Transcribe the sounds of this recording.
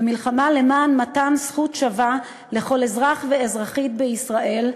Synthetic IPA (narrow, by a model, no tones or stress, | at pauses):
amilχamale̞maːnmatansχutʃava | le̞χo̞le̞zʁaχveezʁaχit̪̚beisʁaʔe̞l